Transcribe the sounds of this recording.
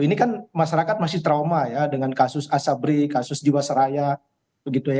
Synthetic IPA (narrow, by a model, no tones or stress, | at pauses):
inikanmaʃaɾakat̪̚masɪht̪ɾawmajadəŋankasʊsasabɾikasʊsdiwasaɾaja | bəɡit̪uj